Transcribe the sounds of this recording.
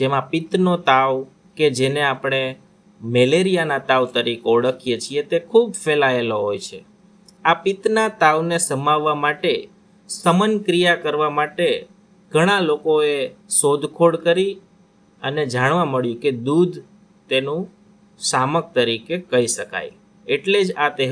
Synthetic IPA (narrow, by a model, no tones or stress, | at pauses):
d͡ʒemãpɪt̪not̪aʋ | ked͡ʒeneapɽ̃e | meleɾijanat̪aʋt̪əɾikɔɽəkʰijet͡ʃʰiet̪ekʰubʱfelaeloɦojt͡ʃʰḛ | apit̪nat̪aʋnesəmaʋːamaʈe | səmənkɾijakəɾʋamaʈe | ɡ̥ʱəɽ̃alokoesod̪ʱkʰoɽkəɾi | əned͡ʒaɽʋãməɭjũked̪ud̪ʱ | t̪enũ | samək̚t̪əɾikekəiʃəka̰j | eʈled͡ʒat̪e